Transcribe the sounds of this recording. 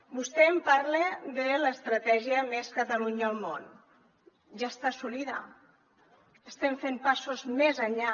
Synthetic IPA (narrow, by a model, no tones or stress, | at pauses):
bust̪ɛmpaɾled̪ələst̪ɾət̪ɛʒiəmeskət̪əluɲəːlˠmon | ʒast̪asuliðə̰ | əst̪ɛmfempasuzmezəɲʎa